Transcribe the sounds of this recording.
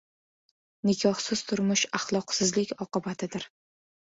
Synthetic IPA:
nɪkʰʲɒhsɪz̥t̪ʰʊɾmʊʃaχlˠɒqsɪzlɪkʲɒqɨbat̪ʰɪd̪ɪɾ

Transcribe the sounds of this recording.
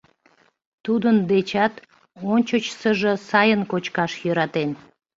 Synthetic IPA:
t̪ud̪ənd̪et͡ɕɑt̪ | onʲt͡ɕət͡ɕsəʒəsɑjənkot͡ɕkɑʃjøɾɑt̪en

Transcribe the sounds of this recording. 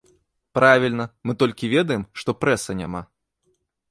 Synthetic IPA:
pɾavʲilʲnɐmɨt̪ɔlʲkʲivʲɛd̪ɐjɛmʂt̪ɔpɾɛsɐnʲa̰ma̰

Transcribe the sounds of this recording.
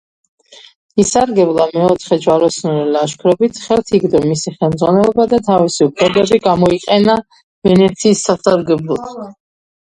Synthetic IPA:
isaɾɡɛblˠamɛɔt̪ʰχɛd͡ʒwaɾɔsnɔɾɛlaʃkʰɾɔbit̪ʰχɛlˠt̪ʰiɡd̪ɔmisiχɛlˠmd̪zʁwanɛlˠɔbad̪at̪ʰavisiupʰlɛbɛbiɡamɔiqʼɛna | vɛnɛt̪sʰiːsːasaɾɡɛblˠɔt̪ʰ

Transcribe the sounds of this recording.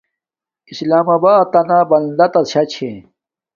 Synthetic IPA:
islaːmɐbaːt̪ɐnabɐnd̪ɐt̪ɐɕɐt͡ɕʰe

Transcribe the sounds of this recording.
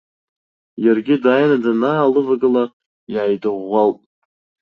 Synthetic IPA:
jarɡʲɪdaːjnad͡zanaalɨvaɡɨla | jʕajdɨʁːalpʼ

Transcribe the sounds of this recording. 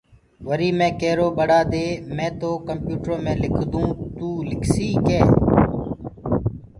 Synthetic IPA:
ʋəɾiːmẽːkeːɾoːɓəɽaːd̪eːmẽːt̪oːkəmpjuːʈɾõːmẽːlɪkʰd̪ũːt̪uːlɪkʰsiːkeː

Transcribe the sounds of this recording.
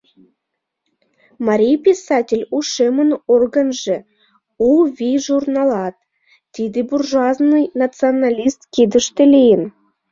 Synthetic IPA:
mɑɾʲijpʲisɑtʲelʲuʃemənorɡənʒĕ | uvʲiʒurnɑlɑt̪ː | id̪eburʒɑznɨjnɑt͡sɨonɑlʲist̪kid̪ə̆ʃt̪ĕlʲejən

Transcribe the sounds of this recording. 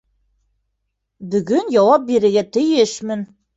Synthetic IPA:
by̆ɡynjɒwɑp̚biɾɘ̆ɡæt̪ɘ̆jɘʃmɘ̆n

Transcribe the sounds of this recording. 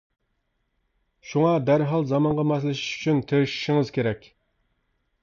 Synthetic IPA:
ʃuŋɑd̪æɾɦɑlˠzɑmɑɴʁɑmɑslˠɪʃi̥ʃy̥t͡ʃʰynt̪ʰeɾʃi̥ʃɪŋɨz̥kʲʰeɾɛkʲ

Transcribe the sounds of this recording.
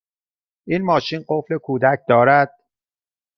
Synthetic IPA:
ʔinmɒːʃinɢoflekʰuːd̪æc̚ʰd̪ɒːɾæd̪̥̚

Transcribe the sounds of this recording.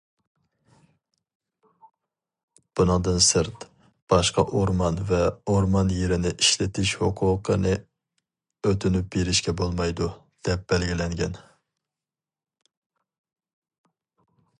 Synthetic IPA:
b̥unɨŋd̪ɨnsɨɾt̪ | b̥ɑʃqʰɑʔoɾmɑnvɛoɾmɑnjeɾɪnɪʔiʃlɪt̪ʰɪʃhoqʰʊːqʰənɨ | øt̪ʰynyp̚beɾɪʃkʲɛbolˠmɑjd̪u | d̪̥ɛp̚b̥ɛlɡʲilɛŋɡʲɛn

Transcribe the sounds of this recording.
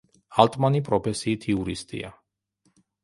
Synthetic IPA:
alt̪ʼmanipʼɾɔpʰɛsiːt̪ʰiuɾist̪ʼḭa̰

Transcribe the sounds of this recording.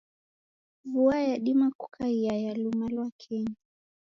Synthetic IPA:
vuajaɗimaku̥kʰaiajalumalwakʰɛɲa

